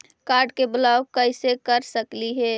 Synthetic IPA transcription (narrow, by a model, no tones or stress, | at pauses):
kaːɾɖkebəlaːwkəɪsekəɾsəkliɦɛː